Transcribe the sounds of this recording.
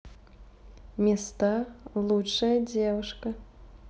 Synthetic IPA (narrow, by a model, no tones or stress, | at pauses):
mʲɛst̪alˠut͡ʂːɐjɐd͡zʲɛvɨʂkɐ